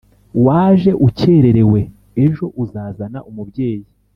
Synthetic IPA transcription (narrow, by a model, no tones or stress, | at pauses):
waːʒe̞ʔuce̞ːɾe̞ɾe̞we̞ | eʒo̞ʔuzaːzanaʔumubɟe̞ːji